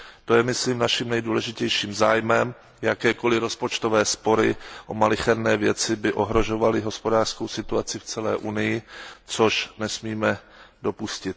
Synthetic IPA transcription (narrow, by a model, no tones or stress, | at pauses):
t̪o̞jɛmɪsliːmnaʃimnɛjduːlɛʒɪcɛjʃiːmzaːjmɛm | jakɛːko̞lɪɾo̞spo̞t͡ʃt̪ovɛːspo̞ɾɪʔomalɪxɛɾnɛːvjɛt͡sɪbɪʔo̞ɦɾo̞ʒo̞valɪɦo̞spo̞daːr̥sko̞wsɪt̪uat͡sɪft͡sɛlɛ̰ːʔunɪjɪt͡soʃnɛsmiːmɛ | do̞puscɪt̪